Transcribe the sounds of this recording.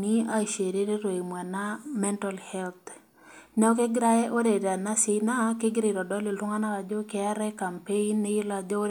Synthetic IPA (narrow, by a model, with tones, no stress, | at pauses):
nɪ˦a˦˨ʃe˨ɾe˦ɾe˦ɾo˨i˨mwa˨na˦mɛ˦nta˨lhɛ˦lt̪ | nɛ˦ɔ˦kɪ˦ɡɾa˦ɛ˦ʔo˦ɾe˨da˨na˦sɪ˨na˦kɪ˦ɡɾɪ˨ɾɔ˨dɔ˦lɪ˨ltʊ˦ŋa˦na˦ɾa˨d͡ʒɔ˦kɛ˨a˦ɾɛ˦ka˨mpe˦i˦nːɪ˦ɪ˦la˨d͡ʒɔ˦